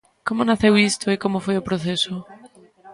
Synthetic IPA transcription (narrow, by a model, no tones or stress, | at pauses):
komonaθewist̪oikomofojopɾoθeso